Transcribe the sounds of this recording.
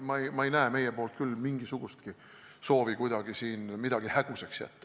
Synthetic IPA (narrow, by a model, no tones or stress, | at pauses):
mɑejmɑejnæeme̞jepo̞ːlt̪̚kylːmiŋɡ̥isuɡ̥ust̪̚ki | so̞ːvikujd̪̥ɑɡ̥isiːnmid̪̥ɑɡ̥ihæɡ̥useksjæ̰t̪ːˑ